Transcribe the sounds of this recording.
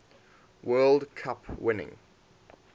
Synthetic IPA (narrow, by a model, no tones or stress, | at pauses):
wɜːlˠdkʰapʰwɪnɪ̰̃ŋ